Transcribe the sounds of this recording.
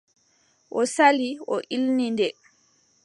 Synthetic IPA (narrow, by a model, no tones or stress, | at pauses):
ʔɔsaliɔʔilnindɛ